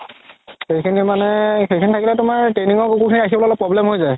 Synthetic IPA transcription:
xejkʰinimanɛxejkʰinitʰakilɛtʊmaɹʈɹejniŋɔkokukʰiniakʰibɔlɔlɛpɹɔblɛmɦojzaj

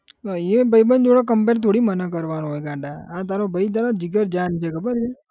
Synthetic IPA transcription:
ebʱəibənd͡ʒoɽok̬əmpeɾt̪ʰoɽimənəkəɾʋanõɦojɡãɳɖaãt̪aɾobəit̪̬aɾod͡ʒiɡəɾd͡ʒant͡ʃʰekʰəbəɾd͡ʒʰe

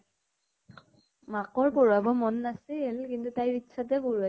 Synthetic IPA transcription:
makɔɹpɔɹuabɔmɔnːasielkintutajitːʃʰat̬ɛɡoɹua

